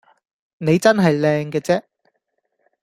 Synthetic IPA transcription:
ne˨˧jt͡sɐ˥nɦɐ˨jlɛː˧ŋkɛː˧t͡sɛː˥

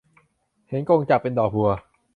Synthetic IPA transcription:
he˨˦nko˧ŋt͡ɕa˨˩p̚pːe˧ndɔː˨˩u˧ɐ

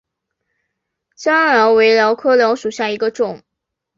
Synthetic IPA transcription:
t͡ɕjɑ˥ŋljɑ˧˥ʊwe˧˥ɪljɑ˧˥ʊkʰɤ˥ljɑ˧˥ʊʂu˨˩ɕja˥˩i˧˥ɡə˧ʈ͡ʂʊ˥˨˩ŋ

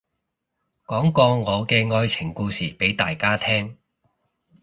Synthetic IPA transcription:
kɔː˨˥ŋkɔː˧ŋɔː˨˧kɛː˧ŋɔː˧jt͡sʰɪ˨˩ŋkuː˧siː˨˩pe˨˥jt̪aː˨jkaː˥t̪ʰɛː˥ŋ

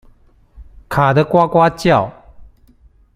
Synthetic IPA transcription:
kʰa˨˩d̪ə˦kwa˦kwa˦t͡ɕja˥˨ʊ

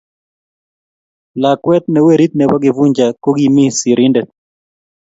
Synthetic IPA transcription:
la˨kwɛ˦t̪̚nɛ˨we˦ɾi˦t̪̚nɛ˨wa˦ɡɪ˨vu˦ɲd͡ʒa˨ko˦ɡi˦˨mi˦si˨ɾi˦ndɛ˨

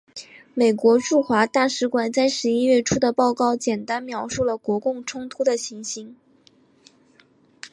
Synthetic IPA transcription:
me˨˩ɪkwɔ˧˥ʈ͡ʂu˥˩xwa˧˥t̪a˥˩ʂɻ̩˧˥kwa˨˩nt͡sa˥˩ɪʂɻ̩˧˥i˥ɥɛ˥˩ʈ͡ʂʰu˥d̪ə˨pɑ˥˧ʊkɑ˥˩ʊt͡ɕjɛ˨˩nt̪a˥nmjɑ˧˥ʊʂu˥˩lə˩kwɔ˧˥kʊ˥˩ŋʈ͡ʂʰʊ˥ŋt̪ʰu˥d̪ə˨ɕi˧˥ŋɕi˧˥ŋ

